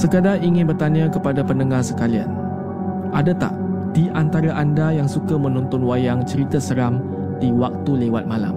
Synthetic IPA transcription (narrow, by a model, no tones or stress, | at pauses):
səkədaiŋɪ̃nbərt̪aɲãkəpadapənəŋahsəkalia̰n | ʔadat̪a̰ʔ | d̥iʔant̪aɾaʔandajaŋsukamə̃nɔnt̪ɔnwajaŋt͡ʃəɾit̪asəɾam | diwak̚t̪ulewat̪̚mãla̰m